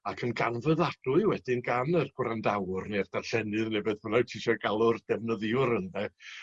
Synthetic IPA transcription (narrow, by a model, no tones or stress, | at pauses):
akʰənɡanvəðad̥ʊɨwɛd̥ɪnɡanərɡ̥wrandawrneard̥arɬɛnɨðnɛbɨðvɔnajtʰiʃɔɡalˠʊrd̥ɛvnəðɨʊrəndɛ